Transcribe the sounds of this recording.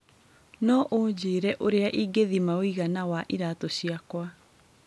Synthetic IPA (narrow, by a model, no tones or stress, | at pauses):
nɔʔoːd͡ʑeːɾɛʔoɾeaʔiɡeðimawiɣanawaʔiɾatoɕiakwa